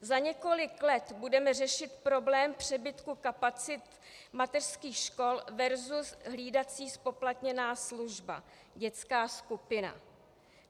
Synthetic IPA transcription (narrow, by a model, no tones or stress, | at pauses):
zaɲɛko̞lɪklɛt̪budɛmɛrɛʃɪt̪pɾo̞blɛːmpr̝̥ɛbɪt̪kukapat͡sɪt̪ | mat̪ɛr̥skiːxʃko̞lvɛɾzusɦliːdat͡siːspo̞plat̪ɲɛnaːsluʒba̰ | ɟɛt͡skaːskupɪna̰